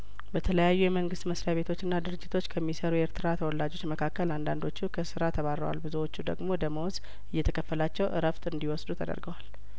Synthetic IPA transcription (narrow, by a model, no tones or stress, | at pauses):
bət̪ʰələjajːujɛməŋɡɨst̪məsɾejaβe̞t̪ʰo̞t͡ʃːɨnːad̪ɨɾɨd͡ʒːɪt̪ʰo̞t͡ʃːkʰəmːisəɾujɛeɾt̪ʰɨɾat̪ʰəwɔlːad͡ʒo̞t͡ʃməkʰakːəland̪and̪o̞t͡ʃːukʰəsɨɾat̪ʰəβaɾəwa̰lbɨzuwo̞t͡ʃːud̪ə̰ɡmo̞d̪əmowz | ɨjːɛt̪ʰəkʰəfːəlat͡ʃːɛwʔɨ̰ɾəft̪ɨnd̪iwɔsd̪ut̪ʰəd̪ə̰ɾɡəwal